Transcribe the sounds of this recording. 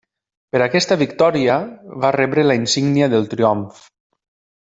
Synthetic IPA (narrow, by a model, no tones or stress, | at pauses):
pəɾakɛst̪əβikt̪ɔɾiəβarɛβɾəlainsiɡniaðəlˠt̪ɾioɱf